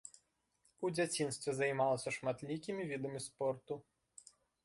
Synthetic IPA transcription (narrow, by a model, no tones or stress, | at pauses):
ud͡zʲat͡sʲinst̪ʋʲɛzɐjmɑlˠɐsʲɐʂmɐt̪lʲikʲimʲiʋʲid̪ɐmʲispɔrt̪ʊ